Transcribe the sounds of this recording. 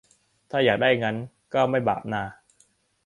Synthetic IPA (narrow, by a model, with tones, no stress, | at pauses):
t̪ʰaː˥˩jaː˨˩k̚daː˥˩jŋa˦˥n | kɔː˥˩ma˥˩jba̰ː˨˩p̚naː˧˩